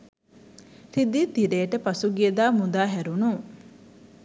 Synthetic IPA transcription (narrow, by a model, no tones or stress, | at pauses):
tid̪it̪iɾeːʈəpɐsuɡied̪aːmud̪aːɦɛɾunuː